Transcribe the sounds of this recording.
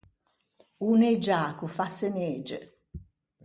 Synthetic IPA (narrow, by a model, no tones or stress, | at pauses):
uned͡ʒaːkufaseneːd͡ʒḛ